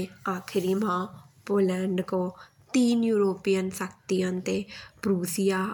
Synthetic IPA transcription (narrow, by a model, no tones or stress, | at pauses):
aːkʰɪɾimãpoːlɛ̃ːɳɖko | t̪iːnjuːɾoːpijənsək̚t̪ijə̃nt̪epɾuːsija